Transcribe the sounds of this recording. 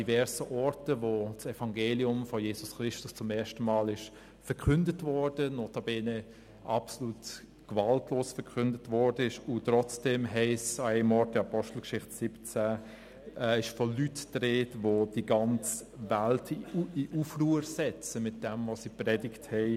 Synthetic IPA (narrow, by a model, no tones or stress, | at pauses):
d̥ivɛɾsəʔɔɾtəvot͡sɛfɑŋɡeːliʊmfɔjeːsʊsχɾɪʃtʊst͡sʊmɛːʃtəmɑːlɪʃ | fɛkʰʏndətvɔd̥ənɔtɑbenə | ʔɑpsoluːt | ɡ̥vɑltloːsfəɾkʰʏndətvɔɾdəɪʃʊtɾɔt͡sd̥ɛmɦɛɪsɑɛɪmɔɾt̚dəɑpɔʃtl̩kʃɪχtsɪpt͡sæː | ɛːɪʃfɔlytd̥ɾeːtvod̥iɡɑnt͡s | væltʰiʔufruːəɾsɛt͡səmɪt̚d̥ɛmvosiprɛdɪkthɛɪ